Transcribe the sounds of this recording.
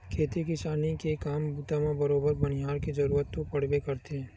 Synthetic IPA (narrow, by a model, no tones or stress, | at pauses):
kʰeːt̪ikɪsaːnikekaːmbuːt̪amãbɐɾoːbəɾbɐnɪjaːɾkid͡ʒɐɾuːɾət̪ːopɐɽ̤bekɐɾt̪eɛ̃